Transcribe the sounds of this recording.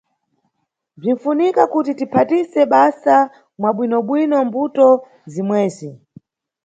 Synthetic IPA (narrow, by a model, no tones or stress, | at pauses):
b͡ʐin̩funikakutitipʰatisɛɓasa | mwaɓwinɔɓwinɔmbutɔ | zimwɛːzi